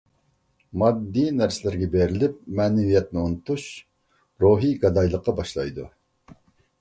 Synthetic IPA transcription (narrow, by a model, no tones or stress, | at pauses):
mɑd̪ːinæɾsɪlɪɾɡʲɛbeɾɪlɪp̚mɛːnɛvijɛt̪̚nɪonɨt̪uʃ | ɾoɦiɡɑd̪ɑjlˠəqːɑbɑʃlˠɑ̰jd̪u